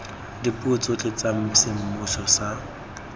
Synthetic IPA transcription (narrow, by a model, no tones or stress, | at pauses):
dipʼʊt͡sʼʊt͡ɬʼet͡sʼam̩sɪm̩mʊsɔsa